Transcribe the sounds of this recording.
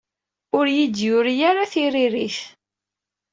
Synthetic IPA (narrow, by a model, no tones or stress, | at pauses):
ʊɾjid̪jʊɾjaɾaθiriɾiθ